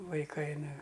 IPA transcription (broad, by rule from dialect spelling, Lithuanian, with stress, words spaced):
ʋɐɪˈkɐɪ ˈnʊ